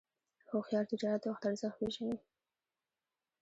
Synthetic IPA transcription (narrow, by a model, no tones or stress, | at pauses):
xoxjɑɾt̪ɪd͡ʒɑɾat̪waxt̪aɾzəxweʒani